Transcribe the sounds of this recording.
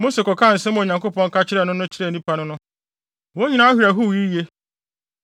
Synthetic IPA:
mo˦se˨kɔ˨kʰã˦˨n̩˨sɛ˦mɔ̃˦˨ɲã˨ŋko˦pʰɔ̃˦ŋ̩˦ka˦t͡ɕʰɪ˦ɾɛ˦˨nʊ̃˦nʊ̃˦t͡ɕʰɪ˦ɾɛ˦˨nĩ˦pʰa˦nʊ̃˦nʊ̃˦ | wo˦ɲĩ˦nã˦hᶣi˨ɾa˨ɦu˦˨ji˦je˦

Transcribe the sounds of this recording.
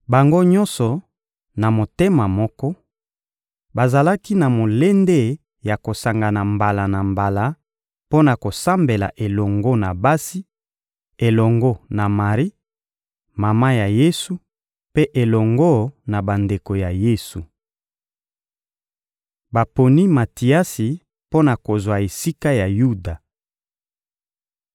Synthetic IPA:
ba˨ŋɡo˦ɲɔ̃˦nsɔ˨ | na˨mo˨te˦ma˨mɔ˦kɔ˦ | ba˨za˨la˦ki˦na˨mo˨le˦nde˦ | ja˨ko˨sa˨ŋɡa˨na˨mba˨la˨na˨mba˨la˦ | po˦na˨ko˨sa˦mbe˨la̰˨ʔe˨lɔ˨ŋɡo˦na˨ba˦si˦ | e˨lɔ˨ŋɡo˦na˨ma˨ʁi˦ | ma˨ma˦ja˨je˦su˦ | pe˦ʔe˨lɔ˨ŋɡɔ˦na˨ba˨nde˨ko˨ja˨je˦su˨ | ba˨po˨ni˦ma˨ti˨a˦si˨ | po˦na˨ko˨zwa˨e˨si˦ka˦ja˨ju˦da˨

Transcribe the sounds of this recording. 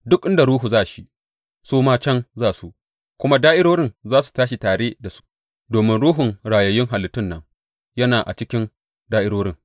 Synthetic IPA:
dʊ˦kʔɪ˦nda˨ɾuː˦ɦu˨zaː˦ʔʃi˦ | soː˦maː˦t͡ʃɛ˦nzaː˦˨su˨ʔ | kʷʊ˦ma˦daː˦ʔɪ˦ɽoː˦ɽɪ˦nzaː˦su̥˨taː˦ʃi˨taː˨ɽeː˦da˨su̥˦ | doː˨mɪ˦nɽuː˦ɦʊ˨ŋɽaː˨jɐ˨jɪ˦ŋɦa˨lɪ˨˦tːʊ˦nːɐ˦ŋ | jɐ˦naː˨ʔa̰˨t͡ʃɪ˦kʲɪ˦n | daː˦ʔɪ˦ɽoː˦ɽɪ˦˨ŋ

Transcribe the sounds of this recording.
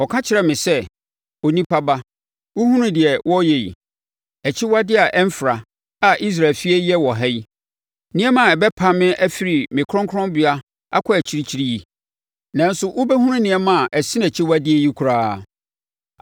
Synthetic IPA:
ɔ˨kʰã˦t͡ɕʰɪ˨ɾɛ˨mɪ̃˨sɛ˦ | o˨nĩ˦pʰa˦ba˦ | wʊ˦hũ˦nʊ̃˦dɪ˨ɛ˨wɔ˦jɛ˨jḭ˨ | æ˨t͡ɕʰi˦wa˦dɪ˦a˨ʔɛ˦m˦fɾa˨ | a˨ʔi˦s̬ɾa˨fi˦ɛ˦jɛ˦wɔ˨ɦɛ˦ji˦ | nɪ̃˦ɛ˦mã˨ɛ˨bɛ˦pʰa˨mɪ̃˦ʔæ˦fi˨ɾi˨mɪ̃˨kʰɾɔ̃˦ŋkʰɔ̃˦mbɪ˨a˦ | a̰˦kʰɔ˦æ˨t͡ɕʰi˦ɾi˦t͡ɕʰi˦ɾi˦ji˦ | nã˨n˦sʊ˨ʔʊ˦bɛ˦ɦũ˦ɾʊ̃˦nɪ̃˨ɛ˦mã˦˨ʔɛ˨sĩ˦næ˨t͡ɕʰi˦wa˦dɪ˦ɛ˨ji˦kʰu˨ɾaː˦˨

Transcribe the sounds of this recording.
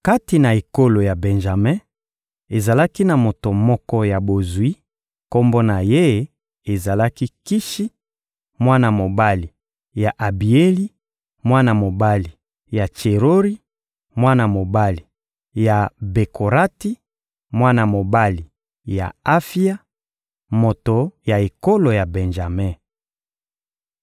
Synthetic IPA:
ka˦ti˨na˨e˨ko˦lo˨ja˨bɛ̃˨nʒa˨mɛ̃˦ | e˨za˨la˦ki˦na˨mo˨to˨mɔ˦kɔ˦ja˨bo˨zwi˦ | ko˦mbo˦na˨je˦ | e˨za˨la˦ki˦ki˦ʃi˦ | mwa˦na˨mo˨ba˦li˨ | ja˨ʔa˨bi˨e˦li˦ | mwa˦na˨mo˨ba˦li˨ | ja˨t͡ʃe˨ʁo˦ʁi˦ | mwa˦na˨mo˨ba˦li˨ | ja˨be˨kʰo˨ʁa˦ti˦ | mwa˦na˨mo˨ba˦li˨ | ja̰˨a˦fi˦a˦ | mo˨to˨ja˨e˨ko˦lo˨ja˨bɛ˨nʒa˨mɛ˦

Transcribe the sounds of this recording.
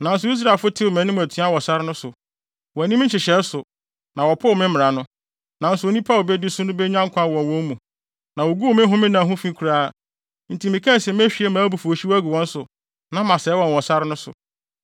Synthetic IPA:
nã˨n̩˦sʊ˨˦i˦s̬ɾa˨lfʊ˦tʰɪ˦wo˨mæ̃˨nɪ̃˦m̃˨æ˨tʰi˨˦a˦wɔ˨sa˦ɾɪ˦nʊ̃˦sʊ˨ | wɔ˨æ˨nĩ˦m̩̃˦t͡ɕɪ˨ɕɛ˨˦sʊ˨ | nã˨wɔ˨pʰʊ˦˨mɪ̃˦mɪ̃˨ɾa˨nʊ̃˦ | nã˨n̩˦sʊ˨o˨nĩ˦pʰa˦˨lbɛ˦dɪ˦sʊ˦nʊ̃˦bɛ˦ɲã˦ŋ˦kʰʷã˦˨wɔ̃˨n˨wɔ̃˦mũ˨ | nã˨wo˨ɡu˦wmɪ̃˦ɦʊ̃˦mɪ̃˦nã˨ɦʊ̃˦fĩ˦kʰɾaː˦˨ | n̩˨ti˨mĩ˨kʰã˦˨sɛ̃˨m˦ɛ˦ɕᶣi˦e˦mã˨˦bu˨fu˨o˨ɕi˦wæ˦ɡu˨wɔ̃˦n̩˦sʊ˨ | nã˦mã˨sɛː˨˦wɔ̃˨nwɔ̃˨sa˦ɾɪ˦nʊ̃˦sʊ̰˨

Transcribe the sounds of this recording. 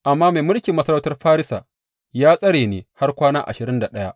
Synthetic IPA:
ʔa˨mːaː˦ma˨jmʊ˦lkʲi˨mːɐ˦sɐ˦ɾɐ˦wtɐ˦rɸaː˦ɾɪ˦sa̰˨ | jaː˦sʼɐ˦ɽeː˨neː˨ha˦rkʷaː˦naː˦ʔa̰˨ʃɪ˨ɾɪ˦nda˨ɗɐ˦ja˦ʔ

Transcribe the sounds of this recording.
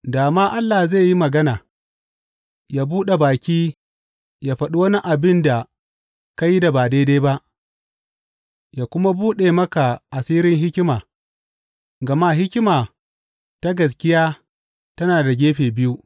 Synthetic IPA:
daː˨maː˦ʔa˦lːaː˨hze˦˨ji˦mɐ˨ɡɐ˦naː˨ | jaː˦buː˦ɗe˨baː˨kʲiː˦ | jaː˦ɸɐ˦ɗu˦wɐ˦ni˦ʔa˨bɪ˦nda˨ | ka˦jːi˦da˨baː˨deː˦da˦ba˦ʔ | jaː˨kʷʊ˦ma˦buː˦ɗeː˨mɐ˦ka˨ʔa˨siː˦ɾɪ˦ŋɦɪ˦kʲɪ˦maː˨ | ɡɐ˨ma˦ɦɪ˦kʲɪ˦maː˨ | ta˦ɡɐ˨s̬kʲɪ˦jaː˦ | tɐ˦naː˨da˨ɡʲeː˦ɸeː˨bɪ˦ju˦

